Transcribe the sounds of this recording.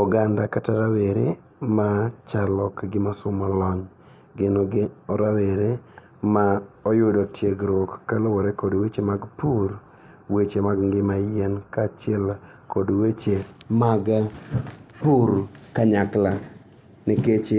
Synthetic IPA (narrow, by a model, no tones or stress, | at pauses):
ɔɡandakataɾaweɾe | mat͡ʃalɔkɡɪmasʊmɔlɔɲ | ɡɪnɔɡɔɾaweɾe | maɔjʊdɔtjeɡɾwɔkːalowɔɾekodwet͡ʃemaɡpuɾ | wet͡ʃemaɡŋɡɪmajɛnkat͡ʃɪɛl | kodwet͡ʃemaɡ | puɾkaɲakla | niket͡ʃe